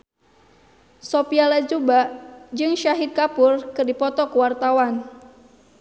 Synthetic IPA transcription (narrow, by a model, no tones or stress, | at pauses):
sopialad͡ʒubaʔd͡ʒɨŋʃaɦid̪̚kapʊrkɨrdipɔt̪ɔkuwart̪awan